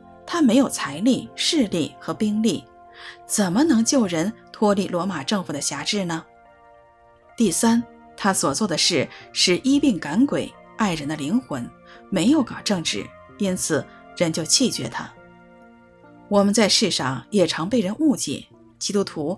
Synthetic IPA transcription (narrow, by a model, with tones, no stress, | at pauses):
t̪ʰa˥me˧˥ɪjo˨˩ʊt͡sʰa˧˥ɪli˥˩ʂɻ̩˥˧li˥˩xɤ˧˥pi˥ŋli˥˩ | t͡sə˨˩nmə˦nɤ˧˥ŋt͡ɕjo˥˩ʊɻə˧˥nt̪ʰwɔ˥li˥˩lwɔ˧˥ma˨˩ʈ͡ʂɤ˥˧ŋfu˨˩d̪ə˦ɕja˧˥ʈ͡ʂɻ̩˥˩nə˩ | t̪i˥˩sa˥n | t̪ʰa˥swɔ˨˩t͡swɔ˥˩d̪ə˩ʂɻ̩˥˩ʂɻ̩˥˩ʔi˥pi˥˩ŋka˧˥nkwe˨˩ɪa˥˩ɪɻə˧˥nd̪ə˧li˧˥ŋxwə˧˥nme˧˥ɪjo˧˥ʊkɑ˨˩ʈ͡ʂɤ˥˧ŋʈ͡ʂɻ̩˥˩ | i˥nt͡sʰɹ̩˨˩ | ɻə˧˥nt͡ɕjo˥˧ʊt͡ɕʰi˥˩t͡ɕɥɛ̰˧˥t̪ʰa˥ | wɔ˨˩mə˧˦nt͡sa˥˧ɪʂɻ̩˥˧ʂɑ˥˩ŋjɛ˨˩ʈ͡ʂʰɑ˧˥ŋpe˥˩ɪɻə˧˥nu˥˧t͡ɕḭ˥˩˦ | t͡ɕi˥t̪u˥t̪ʰu˧˥